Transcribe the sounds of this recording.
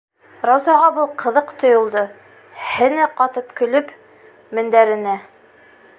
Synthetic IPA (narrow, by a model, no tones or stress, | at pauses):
ɾɑwzɑʁɑbulˠqɤ̆ðɤqt̪ŏjŏlˠd̪ɤ | hɘ̆næqɑt̪ɤpkɵ̆lɵp | mɘ̆nd̪æɾɘ̆næ